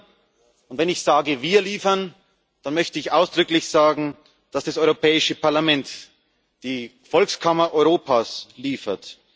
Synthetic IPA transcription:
ʊntvɛnɪçz̥aːɡəviːɐliːfɐn | d̥anmœçtəɪçʔaʊsd̥ʁʏklɪçz̥aːɡŋ̩ | d̥asd̥asɔʏʁopɛːɪʃəpʰaɐlamɛnt | d̥iː | fɔlkskʰamɐʔɔʏʁoːpʰaːsliːfɐt

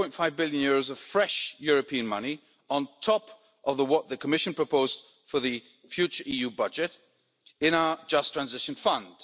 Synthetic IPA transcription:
ɔ̃ɪ̃ntfaɪvbɪlˠjɨ̃njʊɹoʊzʌv̥fɹɛʃjʊɹɨpʰĩɨ̃nmʌni | ə̃ntʰɔp | ʔʌvðəwʌt̪̚ðɨkʰəmɪʃɨ̃npʰɹ̥əpʰoʊzd | fə˞ðɨ | fjʉt͡ʃə˞ʔijʉbʌd͡ʒɨɾ | ɨ̃ñaʊə˞d͡ʒʌstʰɹ̥æ̃nzɪʃɨ̃n̩fʌ̃nd̥

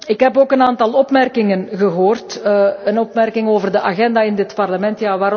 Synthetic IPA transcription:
ɪkɦɛpoːkənaːntɑlˠɔpmɛrkɪŋənɣəɦoːrtənɔpmɛrkɪŋoːvərdəʔaɣɛndaːɪndɪtpɑrləmɛntjaːʋaːɾ

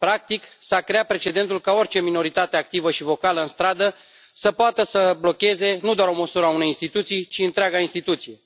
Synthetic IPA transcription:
pɾak̚t̪iksakɾe̞at̪̚pɾe̞t͡ʃe̞d̪e̞nt̪ulkao̞rʲt͡ʃe̞mino̞ɾit̪at̪eak̚t̪ivəʃivo̞kaləɨnst̪ɾad̪ə | səpoat̪əsəblo̞kʲe̞ze̞nud̪oaɾo̞məsuɾəaune̞jinst̪it̪ut̪sijt͡ʃiɨnt̪ɾeaɡainst̪it̪ut̪sije̞

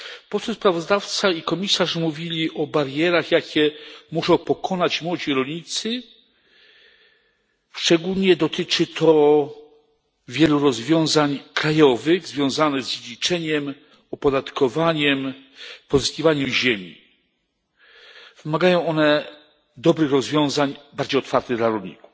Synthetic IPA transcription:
pɔt̪sɔspɾavɔzd̪aft̪saikɔmʲisaʐmuvʲilʲiʔɔbaɾjɛɾaxjakʲɛmuʂɔ̃w̃pɔkʰɔnat͡ɕmwɔd͡ʑiɾɔlʲɲit̪sɘ | ʂt͡ʂɛɡulɲɛd̪ɔt̪ɘt͡ʂɘt̪ʰɔ | vʲjɛluɾɔzvʲjɔ̃w̃zaɲkɾajɔvɘɣzvʲjɔ̃w̃zanɛɣzd͡ʑed͡ʑit͡ʂɛɲɛm | ɔpɔd̪at̪kɔvaɲɛmpɔzɨskʲivaɲuʑemʲḭ | v̥ɘmaɡajɔ̃w̃ɔnɛ | d̪ɔbɾɘxɾɔzvʲjɔ̃w̃zaɲbaɾd͡ʑejɔt̪faɾt̪ɛd̪laɾɔlɲḭku̥f

